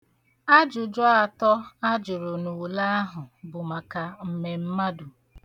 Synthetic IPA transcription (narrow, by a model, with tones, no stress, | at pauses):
a˦d͡ʒʊ˨d͡ʒɔ˦a˨tɔ˦a˦d͡ʒʊ˨ɾʊ˨nu˨la˦a˦ɦʊ˨bʊ˨ma˨ka˨m̩˨me˨m̩˦ma˦dʊ˨